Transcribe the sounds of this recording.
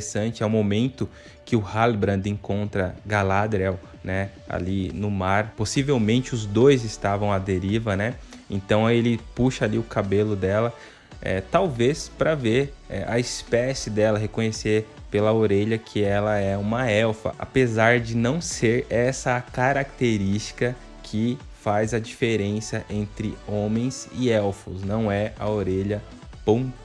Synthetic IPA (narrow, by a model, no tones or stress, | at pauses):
sɐ̃nt͡ʃɪɛũmomẽnt̪ʊ | kɪʊhalbɾɐ̃d̪ẽkõnt̪ɾɐɡalad̪ɾɛw | nɛ | a̰linʊmaɾposivewmẽnt͡ʃɪʊzd̪ojzɪst̪avɐ̃w̃ɐd̪eɾivɐnɛ | ẽnt̪ɐ̃w̃elɪpuʃɐaliʊkabelʊd̪ɛlɐ | ɛ̰t̪awvespɾɐveɾɛ̰ʔɐ̰ispɛsɪd̪ɛlɐɦekõɲeseɾ | pelɐoɾeʎɐkʰɪɛlɐɛũmɐɛwfɐ̰ʔa̰pezaɾd͡ʒɪnɐ̃w̃seɾɛsɐkaɾak̚t̪eɾist͡ʃi̥kɐ | kʰɪ | fajzɐd͡ʒifeɾẽsiɐʔẽnt̪ɾɪõmẽj̃zɪɛwfʊsnɐ̃w̃ɛɐ̰oɾeʎɐ | põ